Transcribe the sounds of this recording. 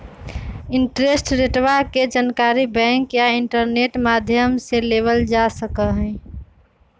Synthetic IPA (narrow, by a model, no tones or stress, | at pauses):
ɪɳʈɾesʈɾeʈʋaked͡ʒankaɾibɛ̃ŋkjaiɳʈəɾneʈmad̪ʱjəmselebəld͡ʒasəkəɦɛ̃